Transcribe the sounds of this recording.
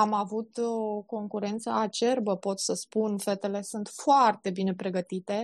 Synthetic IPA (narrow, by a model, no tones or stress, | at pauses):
amavut̪oko̞ŋkuɾe̞nt̪səat͡ʃe̞rbəpo̞t̪səspunfe̞t̪e̞le̞sunt̪foart̪e̞bine̞pɾe̞ɡət̪it̪e̞